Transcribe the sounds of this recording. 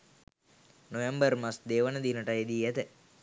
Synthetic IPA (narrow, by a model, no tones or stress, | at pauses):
noʋembəɾmasd̪eːʋənəd̪iːnəʈɐed̪iːɛt̪ə